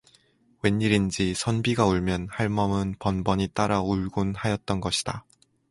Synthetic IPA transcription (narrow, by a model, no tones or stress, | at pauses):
we̞ɲːiɾind͡ʑisʰʌnbiɡauɭmjʌnhaɭmʌmɯnpʌnbʌɲit͈aɾauɭɡunhajʌt̚t͈ʌnɡʌɕʰid̥a